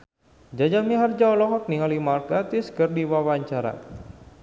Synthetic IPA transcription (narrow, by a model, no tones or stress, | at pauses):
d͡ʒad͡ʒamiɦard͡ʒawlɔɦɔk̚niŋalimarkat̪iskərdiwawaɲt͡ʃaɾa̰